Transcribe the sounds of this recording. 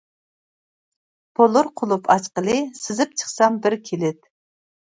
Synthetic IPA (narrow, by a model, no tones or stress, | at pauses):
b̥olˠʊɾqʰʊlˠupʰɑʃqəlˠɨsɪzɪp̚t͡ʃʰə̥χsɑmbɪɾkʲʰelɪt̪